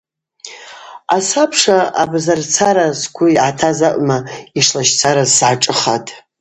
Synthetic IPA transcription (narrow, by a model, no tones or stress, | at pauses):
asapʰʂaa̰bzart͡sʰaɾasɡʷʊiʕatʰazaʔʷʼmaiʂlaʃt͡sʰaɾazsʕaʈ͡ʂʼɨχatʰʼ